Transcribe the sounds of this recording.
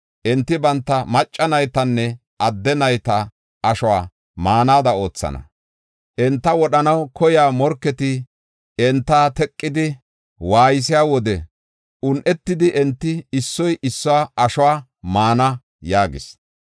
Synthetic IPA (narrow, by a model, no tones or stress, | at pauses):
ʔɛnt̪ːɪbɐnt̪ːɐmɐt͡ʃʼːɐnɐjt̪ɐnːɛ | ʔɐd̪ːɛnɐjt̪ɐ | ɐʃɔwa̰ː | maːnaːd̪ɐo̞ːt͡sːɐ̰nɐ̰ | ʔɛnt̪ːɐwɔɗɐnɐwkɔjaːmɔɾkːɛt̪ɪ | ɛnt̪ːaːt̪ɛkʼːɪd̪ɪ | waːjɪs̬ɪjaːwɔd̪ɛ | ʊnʔɛt̪ːɪd̪ɪʔɛnt̪ːɪɪsːɔjʔɪsːɔwaːɐʃɔwaː | maːnɐ | jaːɡɪ̰s